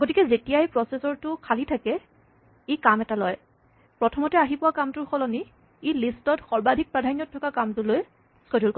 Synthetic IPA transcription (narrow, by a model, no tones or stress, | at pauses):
aɡotikɛzetijajpɹɔsesɔɹtʊkʰalitʰakɛ | ejkamɛtalɔj | pɹɔtʰɔmɔtɛaɦipʊwakamtʊɹxɔlɔni | ejlistɔtxɔɹbadʱik̚pɹadʱanjɔtʰːɔkakamtuloj | skodulkɔ